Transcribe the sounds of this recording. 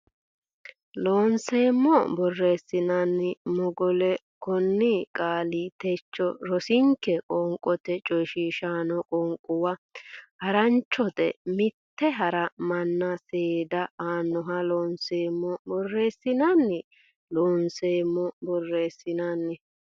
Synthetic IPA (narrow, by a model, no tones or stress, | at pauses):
loːnseːmːɔbɔrːeːsːɪnɐnːɪmɔɡɔlɛ | kɔnːikʼaːlit̪ɛt͡ʃːɔɾɔsɪŋkːɛkʼɔŋkʼːɔt̪ɛt͡ʃʼɔʃiːʃaːnɔkʼɔŋkʼʊwɐhɐɾɐnt͡ʃːɔt̪ɛ̰mɪt̪ːɛɦɐɾɐmɐnːɐseːd̪ɐaːnːɔɦɐloːnseːmːɔbɔrːeːsːɪnɐnːɛ | loːnseːmːɔbɔrːeːsːɪnanːɛ